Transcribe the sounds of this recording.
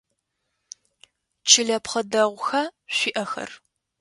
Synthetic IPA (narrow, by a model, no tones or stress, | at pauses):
t͡ʃʰɪɮɐpχɐdɐʁʷʊxɐɕʷiːʔɐxɐ̰r